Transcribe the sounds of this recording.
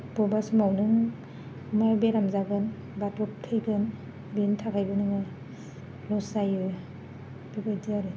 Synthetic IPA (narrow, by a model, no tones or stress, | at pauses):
b̥ɔbasɯmawnɯŋ | majbeɾamzaɡɯn | batɔp̚tʰɯjɡɯn | bintʰakʰajbɯnɯŋɯ | lɔsajɯ | b̥ibajdɯaɾɯ